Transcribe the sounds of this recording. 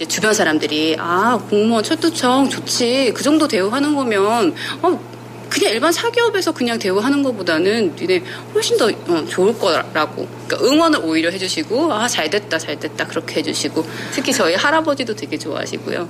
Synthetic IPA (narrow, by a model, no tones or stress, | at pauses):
d͡ʑe̞tubjʌnsʰaɾamdɯɾiʔakoŋmʌnt͡ɕʰʌɭt͈ʰut͡ɕʰʌŋt͡ɕot͡ɕʰikɯd͡ʑʌŋdote̞uɦanɯnɡʌmjʌnʌ | kɯɲaŋiɭbansʰaɡiʌbe̞sʰʌkɯɲaŋtwe̞uɦanɯnɡʌpodanɯnine̞ | ɸoɭɕ͈indʌʌt͡ɕoɯɭk͈ʌɾaɡo̰ | k͈a̰ʔɯŋwʌnɯɾʔoiɾjʌɦe̞d͡ʑuɕʰiɡoat͡ɕaɭdwe̞t̚t͈at͡ɕaɭdwe̞t̚t͈akɯɾʌkʰe̞he̞d͡ʑuɕʰiɡotʰɯkʰit͡ɕʌihaɾabʌd͡ʑidotwe̞ɡe̞t͡ɕoa̰ɦa̰ɕʰḭɡ̥o̰jo̰